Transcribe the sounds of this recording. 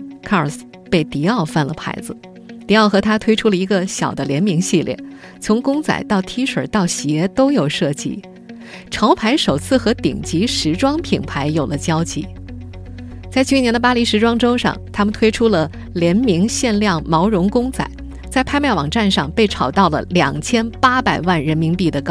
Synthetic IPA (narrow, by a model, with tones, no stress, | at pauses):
kʰa˥˩ə˞˨˩s | pe˥˩ɪt̪i˧˥ɑ˥˩ʊfa˥˩nlə˩pʰa̰˧˥ɪd͡zɹ̩˧ | t̪i˧˥ɑ˥˩ʊxɤ˧˥t̪ʰa˥t̪ʰwe˥ɪʈ͡ʂʰu˥lə˨˩i˧˥ɡə˧ɕjɑ̰˨˩ʊd̪ə˦ljɛ˧˥nmi˧˥ŋɕi˥˧ljɛ̰˥˩n | t͡sʰʊ˧˥ŋkʊ˥ŋt͡sa̰˨˩ɪt̪ɑ˥˩ʊt̪ʰi˥ʂwə̰˨˩t̪ɑ˥˩ʊɕjɛ˧˥t̪o˥ʊjo˨˩ʊʂɤ˥˩t͡ɕḭ˧˩ | ʈ͡ʂʰɑ˧˥ʊpʰa˧˥ɪʂo˨˩ʊt͡sʰɹ̩˥˩xɤ˧˥t̪ḭ˨˩ŋt͡ɕi˧˥ʂɻ̩˧˥ʈ͡ʂwɑ˥ŋpʰi˨˩ŋpʰa˧˥ɪjo˨˩lə˦t͡ɕjɑ˥ʊt͡ɕʰḭ˧˥ | t͡sa˥˧ɪt͡ɕʰy˥˩njɛ˧˥nd̪ə˧pa˥li˧˥ʂɻ̩˧˥ʈ͡ʂwɑ˥ŋʈ͡ʂo˥ʊʂɑ̰˥˧˩ŋt̪ʰa˥mə˨nt̪ʰwe˥ɪʈ͡ʂʰu˥lə˨ | ljɛ˧˥nmi˧˥ŋɕjɛ˥˧nljɑ˥˩ŋmɑ˧˥ʊɻʊ˧˥ŋkʊ˥ŋt͡sa̰˨˩ɪ | t͡sa˥˧ɪpʰa˥˧ɪmja˥˩wɑ̰˨˩ŋʈ͡ʂa˥˧nʂɑ˥˧ŋpe˥˩ɪʈ͡ʂʰɑ˨˩ʊt̪ɑ˥˩ʊlə̰˩ljɑ̰˨˩ŋt͡ɕʰjɛ˥npa˥pa˨˩ɪwa˥˩nɻə˧˥nmi˧˥ŋpi˥˩d̪ə˩kɑ˥